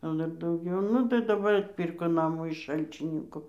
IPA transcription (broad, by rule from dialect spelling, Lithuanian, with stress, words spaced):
jɛʊ ˈdɐr dɐʊˈɡʲɛʊ ˈnʊ tɐɪ dɐˈbɐr ɐtʲˈpʲiːrkoː ˈnɑːmuː ɪʃ ˈʃɐlʲt͡ʃʲɪnʲɪŋkʊ